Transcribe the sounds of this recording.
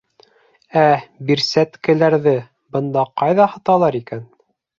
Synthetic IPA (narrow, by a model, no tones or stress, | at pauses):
æbiɾsæt̪kɘ̆læɾðɘ | bɤ̆nd̪ɑqɑjðɑhɤ̆t̪ɑlˠɑɾikæn